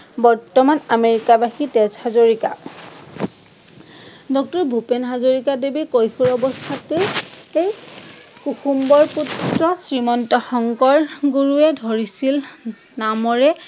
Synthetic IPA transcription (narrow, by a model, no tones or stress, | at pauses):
bɔɹtɔmanameɹikabaxitezhazoɹika̰ | dɔk̚tɔɹbʱupenɦazoɹikadebekojxʰuɹɔbɔst̪ʰate | ej | kuxumbɔɹputɹɔsɹimɔntɔxɔŋkɔɹɡuɹuɛdʱoɹisil | namɔɹɛ